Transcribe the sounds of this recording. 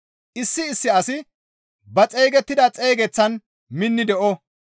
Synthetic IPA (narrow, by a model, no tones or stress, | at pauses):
ʔɪsːɪːsːɪɐsɪ | bɐt͡sʼɛjɡɛt̪ːɪd̪ɐt͡sʼɛjɡɛt͡sːɐn | mɪnːɪd̪ɛʔɔ